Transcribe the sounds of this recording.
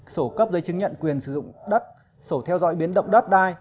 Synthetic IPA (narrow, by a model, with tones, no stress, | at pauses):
so˧˩kə˦˥p̚zə˨˦jt͡ɕɨ˨˦ŋɲə̰˧˨nkwi˨˩ənsɨ˧˩zʊ̰˧˨ŋ͡mɗə˦˥t̚ | so˧˩t̪ʰɛ˧wzɔ̰˧˥jɓi˨˦ənɗə̰˧˨wŋ͡mɗə˦˥t̚ɗaː˧j